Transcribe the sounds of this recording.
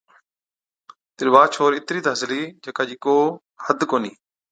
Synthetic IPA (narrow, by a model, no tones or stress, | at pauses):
t̪ɪlʋaːt͡ʃʰoːɾɪt̪ɾiːd̪əzliːd͡ʒəkaːd͡ʒɪkoː | həd̪koːniː